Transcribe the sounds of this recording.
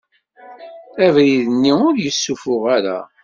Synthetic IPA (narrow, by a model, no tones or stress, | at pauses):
ævɾiðənːiʊɾjəsːufʊʁaɾa̰